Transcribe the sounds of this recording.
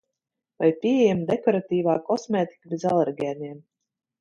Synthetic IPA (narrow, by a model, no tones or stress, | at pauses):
vajpʲiɛɛjɛmd̪ekɔɾat̪iːvaːkɔsmʲeːt̪i̥kabezalˠɛɾɡʲɛːnɛɛm